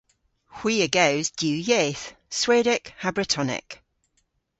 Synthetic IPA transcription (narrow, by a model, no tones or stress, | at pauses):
hw̥iːəɡəʊzdjʉːjeːθsweːdɪkhabɹɪtʰɒnɪ̰k